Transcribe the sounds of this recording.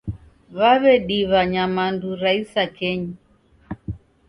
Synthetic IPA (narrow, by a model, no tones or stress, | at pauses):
βaβɛɗiβaɲamanduɾaisakɛɲi